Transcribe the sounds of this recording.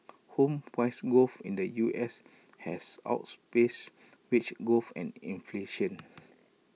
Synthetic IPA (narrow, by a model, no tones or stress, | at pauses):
hõmfwajsɡofĩndəjuʔɛs | hɛsa̰ʊt̚spes | wit͡ʃɡofɛ̰̃nḭ̃nfleʃə̃n